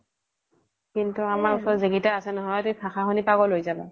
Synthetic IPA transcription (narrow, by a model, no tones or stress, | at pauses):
kintuamaɹusɔziɡitaasɛnɔɦɔjatuipʰaxaɦunipaɡɔlojzaba